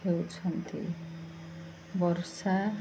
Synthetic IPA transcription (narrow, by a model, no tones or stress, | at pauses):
ewt͡sʰʌnt̪ḭ | bʌrsa